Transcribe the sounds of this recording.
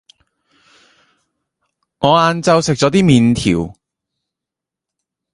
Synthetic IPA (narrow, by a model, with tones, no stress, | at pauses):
ŋɔː˨˧aː˨˧nt͡sɐ˧wsɪ˨k̚t͡sɔː˨˥t̪iː˥miː˨˧nt̪ʰḭː˨˩w